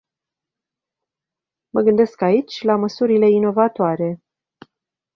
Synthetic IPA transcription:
məɡɨnd̪e̞skait͡ʃʲlaməsuɾile̞ino̞vat̪oaɾe̞

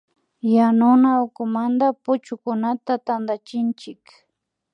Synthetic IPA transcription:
janʊnaʊkʊmand̪apʊt͡ʃʊkʊnat̪at̪and̪at͡ʃɪnt͡ʃɪk

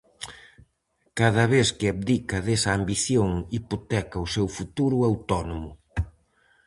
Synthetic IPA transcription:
kaðɐβeθkɪaβd̪ikɐðesɐːmbiθjoŋipot̪ɛkɐusewfut̪uɾuawt̪ɔnomʊ

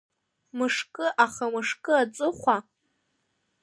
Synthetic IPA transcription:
mɨʂkʼɨʔaχamɨʂkʼɨat͡sʷʼɨχʷa

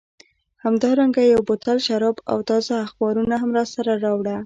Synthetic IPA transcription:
hamd̪ɑɾaŋɡajawbʊt̪alʃaɾɑba̰wt̪ɑzaaxbɑɾunaɦamɾɑsaɾaɾɑwɽa

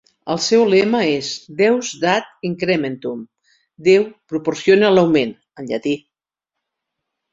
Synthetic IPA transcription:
əlˠsɛwlɛməezd̪ɛwzd̪at̪̚iŋkɾɛment̪um | d̪ewpɾupoɾsjonelawmen | ənʎə̰t̪i

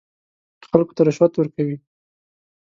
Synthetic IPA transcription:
xalko̥t̪aɾʊʃwat̪wəɾkawi

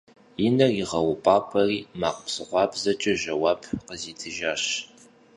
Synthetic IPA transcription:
jɪnɐriʁɐwʊpʼaːpʷʰʼɐriːma̰ːqəpsɨχʷɑːbzɐt͡ʃʼɐʒɐwaːpʰqəziːtʰɨʒaːɕ

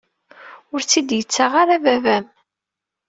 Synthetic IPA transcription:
ʊɾt͡sːid̪jət͡sːaʁaɾavævæm

